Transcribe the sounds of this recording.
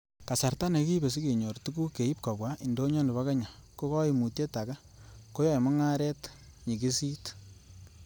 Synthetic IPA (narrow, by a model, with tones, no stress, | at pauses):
ka˨sa˨rta˦ne˨ki˦be˨s̬i˦ke˨ɲɔ˨rtu˦ku˦ke˨i˦p̚ka˨bwa˦ʔi˨ndo˦ɲɔ˦nɪ˨βa˦ka˦ɲa˨ko˦kɔ˦i˨mu˨tje˦ta˨ka˦ | ko˦jɔ˦jmɔ˦ŋa˦ɾɛ˦t | ɲi˨ki˦si˦t